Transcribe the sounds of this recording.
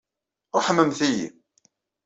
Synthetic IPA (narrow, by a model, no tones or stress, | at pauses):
ʊħəmːəmθijḭ